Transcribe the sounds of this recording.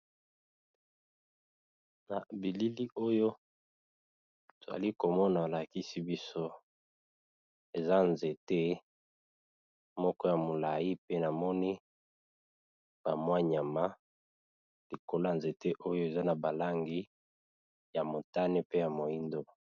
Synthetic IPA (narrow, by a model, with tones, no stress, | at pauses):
na˨bi˨li˦li˦ʔo˦jo˦ | to˨za̰˨li˦ko˨mɔ˦na˨a˨la˨ki˦si˦bi˦so˦ | e˨za˦nze˨te˦ | mɔ˦kɔ˦ja˨mo˨la˨ji˦pe˦na˨mɔ˦ni˦ | b̥a˨mwa˦ɲa˨ma˦ | li˨ko˨la˦˨nze˨te˦ʔo˦jo˦e˨za˦na˨ba˨la˦ŋɡi˦ | ja˨mo˨ta˦ne˦pe˦ja˨mo˨i˦ndo˦